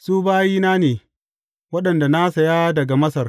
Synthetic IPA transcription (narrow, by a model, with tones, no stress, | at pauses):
suː˦baː˦jiː˦naː˦neː˨ | wɐ˦ɗɐ˨nda˨na˦sɐ˨ja˦dɐ˨ɡa˨mɐ˦sɐ˨r